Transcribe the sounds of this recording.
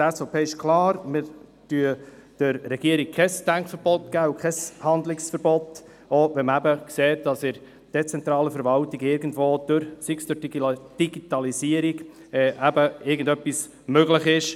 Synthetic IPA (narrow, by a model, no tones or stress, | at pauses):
ɛsopʰeːɪʃkʰlɑːɾmɪɾtyəd̥əɾːɛɡ̥iəɾik̚kʰɛsd̥æŋkfəɾb̥ɔtɡ̥æːukʰɛshɑnd̪lɪksfəɾbɔt̪ | oʋɛməæbəkseːt̚d̥ɑsɪ | d̥ɛt͡sɛnt̪ɾɑːləfəɾʋɑltiɡɪɾɡən̩dvoːd̥ʊɾsɪksd̥ʊɾd̥iɡitɑlisiəɾiɡ | ɛːʔæbəɪɾɡən̩dœpːis | møɡləχɪʃ